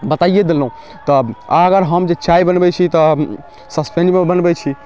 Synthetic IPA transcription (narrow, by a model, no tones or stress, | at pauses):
bət̪aijed̪elːũ | t̪ɔəɡəɾɦəmd͡ʒet͡ʃaibənbɛt͡ʃʰit̪ɔ | səspẽɳɖmebənbɛt͡ʃʰi